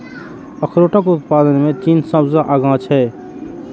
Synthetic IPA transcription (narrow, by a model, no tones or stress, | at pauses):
əkʰɾoːʈəkʊt̪̚paːd̪ənmẽt͡ʃiːnsə̃bzaʔaɡãːt͡ʃɦɛː